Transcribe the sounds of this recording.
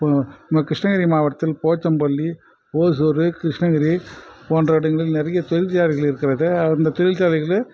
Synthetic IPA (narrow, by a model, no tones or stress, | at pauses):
ɐmːɐkɾɪʂɳɐɣɐɾimaːʋɐt̪ːɪlpoːt͡ʃːɐmpɐlːi | oːsuɾɯkɾɪʂɳɐɣɐɾipoːndrɐʋɽɯŋɡɐɭɪlnɪɾɐjɐt̪ɔɻɪlt͡ʃaːlɪɣɐɭɪɾɯkːɪɾɐðɯɐɾɯnd̪ɐt̪ɔɻɪlt͡ʃaːlɐɪɣɐɭ